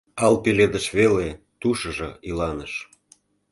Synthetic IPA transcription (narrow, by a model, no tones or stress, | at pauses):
ɑlpeled̪əʃβele | t̪uʃəʒɤ̰̆ilɑnəʃ